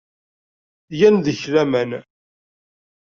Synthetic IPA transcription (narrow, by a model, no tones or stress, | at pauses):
jænðəçlæmæn